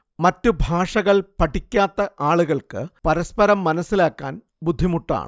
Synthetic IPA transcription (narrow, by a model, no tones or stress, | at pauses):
mɐtːubʱaːʂɐɣɐɭpɐʈːikʲːaːt̪ːɐʔaːɭuɣɐɭkɨpɐɾɐspɐɾɐmːɐnɐsːilaːkːa̰ːn | bud̪ʱːimuʈːa̰ːɳɨ